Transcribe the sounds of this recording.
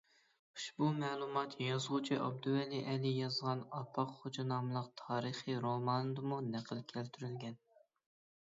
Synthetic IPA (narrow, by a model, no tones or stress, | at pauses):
u̥ʃbumɛːlˠumɑt̪ʰjɑzʁʊt͡ʃʰiʔɑb̚d̪uɛliʔɛlijɑzʁɑnɑpʰɑqχod͡ʒɑnɑmɨlˠəqt̪ʰɑːɾəχiɾomɑnɨd̪ɨmunæqʰəlˠkʲʰælt̪ʰyɾylɡʲɛn